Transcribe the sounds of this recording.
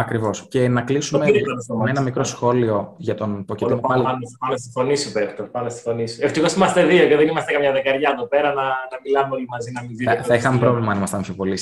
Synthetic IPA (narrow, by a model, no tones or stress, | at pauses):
ɐkɾivo̞sce̞nɐklisumeenɐmikɾo̞sxo̞lio̞ʝɐt̪o̞npoceimopɐlɐmest̪i̥fonisupext̪opɐmest̪i̥fo̞niseft̪ixosimɐst̪eðioceðenimɐst̪ekɐmɲɐðekɐɾʝɐeðopeɾɐnɐnɐmilɐmeo̞limɐzinɐmiziθɐixɐmepɾo̞vlimɐnimɐsɐmsopo̞lis